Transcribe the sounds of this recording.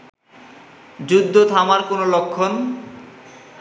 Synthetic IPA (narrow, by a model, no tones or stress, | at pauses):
d͡ʑud̪ʱːot̪ʰamaɾkonolokʰːon